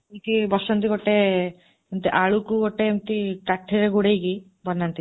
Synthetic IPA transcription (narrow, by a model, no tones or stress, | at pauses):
k̪ibɔsɔnt̪iɡoʈe | emt̪iʔaɭukuɡoʈeːmt̪iʈaʈʰːeɾeɡuɽejki | bɔnːant̪i